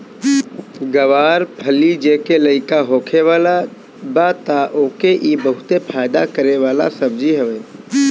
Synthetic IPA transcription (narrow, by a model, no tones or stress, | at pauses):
ɡəʋaːɾpʰəlid͡ʒeːkeləɪkaɦoːkʰeʋaːla | bat̪aʔoːkeʔibəɦʊt̪epʰaːɪd̪akəɾeʋaːla̰səbd͡ʒiɦəʋeː